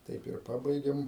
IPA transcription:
ˈtɐɪp ɪr ˈpɑːbɐɪɡʲeːm

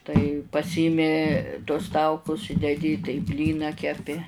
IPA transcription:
tɐɪ pɐˈsʲiːmʲɪ tuɔs ˈtɐʊkʊs ɪ dʲɛˈdʲɪ tɐɪ ˈbʲlʲiːnɑː kʲɛˈpʲɪ

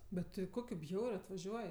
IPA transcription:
bʲɛ ˈtʲɪ ˈkoːkʲʊ ˈbʲjɛʊrʲʊ ɐtʋɐˈʒʲuɔj

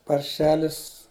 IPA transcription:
pɐrʲˈʃʲæːlʲɪs

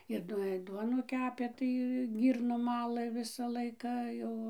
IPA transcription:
ɪr ˈduɔ ɪr ˈduɔnuː ˈkʲæːpʲeː ˈtɐɪ ˈɡʲiːrnoːm ˈmɑːlˠɘ ˈʋʲɪsɐ ˈlˠɐɪkɐ ˈjɛʊ

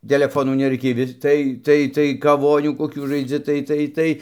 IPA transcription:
tʲɛlʲɛˈfoːnuː nʲɛˈrɐɪkʲeːj ʋʲɪs ˈtɐɪ ˈtɐɪ tɐɪ kɐˈʋoːnʲuː koːˈkʲuː ʒɐɪˈd͡zʲɪ ˈtɐɪ ˈtɐɪ ˈtɐɪ

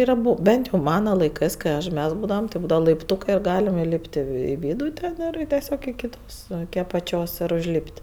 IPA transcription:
ɪr ɐˈbʊ ˈbʲɛnt jɛʊ ˈmɑːnɐ lˠɐɪˈkɜs kɐɪ ˈɐʃ ˈmʲɛs ˈbuːdɐʋɐm tʲɪ ˈbuːdɐʋɐ lˠɐɪpˈtuːkɜ ɪr ˈɡɑːlʲɛm ɪˈlʲiːpʲtʲ ɪ ʋʲɪ ˈʋʲiːdʊ ˈtʲɛn ɪr tʲɛˈsʲoːk ɪkʲɪ ˈtoːs ɪkʲɪ ɐpɐˈt͡ʃʲoːs ɪr ʊʒʲˈlʲiːpʲtʲ

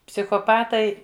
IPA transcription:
pʲsʲɪxoːˈpɑːtɐɪ

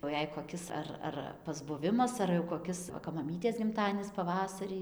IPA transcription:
jɛʊ ˈjɛɪ koːˈkʲɪs ɐr ˈɐr pɐzbʊˈʋʲɪmɐs ɐr jɛʊ koːˈkʲɪs ˈʋɐ kɐp mɐˈmʲiːtʲeːs ɡʲɪmˈtɑːdʲiɛnʲɪs pɐˈʋɑːsɐrʲiː

